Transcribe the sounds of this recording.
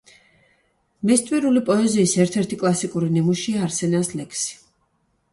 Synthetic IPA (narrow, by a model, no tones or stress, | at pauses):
mɛst̪ʼviɾulipʼɔɛziːsɛɾt̪ʰɛɾt̪ʰikʼlˠasikʼuɾinimuʃiaːɾsɛnaslɛkʰsi̥